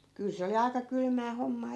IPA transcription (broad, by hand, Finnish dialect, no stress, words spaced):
kyl se oli ɑikɑ kylmæː homːɑː